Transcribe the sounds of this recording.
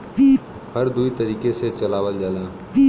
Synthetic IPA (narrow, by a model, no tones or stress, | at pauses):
i | həɾd̪uit̪əɾiːkeset͡ʃɐlaːwəld͡ʒaːlãː